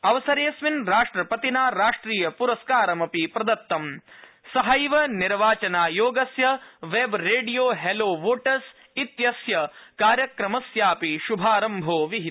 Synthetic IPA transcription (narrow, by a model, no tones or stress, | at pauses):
ɐʋɐsɐɾeːsʋinɾaːʂʈɾɐpɐt̪inaːɾaːʂʈɾiːjɐpuɾɐskaːɾɐmɐpipɾɐd̪ɐt̪ːɐm | sɐɦɐjʋɐniɾʋaːt͡ʃɐnaːjoːɡɐsjɐʋebɾeːɖijoːɦeloːʋoːʈɐs | it̪jɐsjɐkaːɾjɐkɾɐmɐsjaːpiʃubʱaːɾɐmbʱoːʋiɦit̪